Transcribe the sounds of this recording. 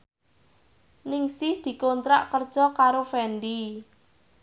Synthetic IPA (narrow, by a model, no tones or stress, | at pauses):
nɪŋsɪhd̪̥i̤kont̪ɾa̰ʔkərd̥ʒ̥ɔ̤kaɾofɛnɖi